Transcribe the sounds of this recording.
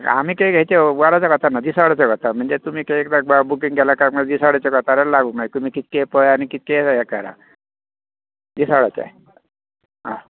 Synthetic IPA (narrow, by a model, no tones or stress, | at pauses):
a̰m̤iːkeɡʱejt͡ɕeɡaɾat͡sakət̪anːad̪iːsaɽat͡sakəɾt̪am̤əɳd͡zet̪um̤iːkeekd̪ak̚babukiŋɡɛlakakm̤ə̃d͡zd̪isaɽat͡sekəɾt̪aɾelaɡuːmat̪um̤iːkit̪̚kepəjanikit̪̚kesajakaɾa̰ | d̪iːsaɽat͡sḛ | ɦa